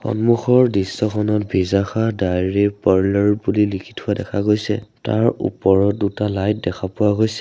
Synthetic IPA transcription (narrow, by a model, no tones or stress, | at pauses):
xɔ̰nmuxɔɹdisːɔkʰɔnɔtbʱizaxadajɹipaɹlɔɹbulilikʰi̥tʰhʊadɛkʰaɡojsɛ̰ta̰ɹṵpɔɹɔdutalajt̚dɛkʰapʊwaɡojsɛ